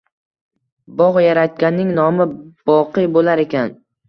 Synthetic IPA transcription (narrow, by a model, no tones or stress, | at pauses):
bɒʁjaɾat̪̚kʲanːɪŋnɒmɪb̥ɒqʰɨjbolaɾe̞kʲʰan